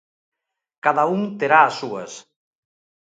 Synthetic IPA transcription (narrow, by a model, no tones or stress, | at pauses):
kaðauŋt̪eɾaːsuɐ̰s